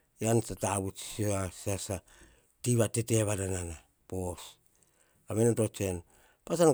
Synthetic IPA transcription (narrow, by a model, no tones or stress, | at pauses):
jansataβut͡ʃioasasa | tiβatete̞βadanana | pos | kamenotot͡ʃe̞n | pas̬an